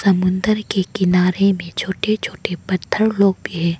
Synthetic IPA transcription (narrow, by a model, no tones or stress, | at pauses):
sɐmʊ̃nd̪əɾkekɪnaːɾemẽt͡ʃʰoːʈet͡ʃʰoːʈepɐt̪ʰːəɾloːɡbʱiɦɛ̃ː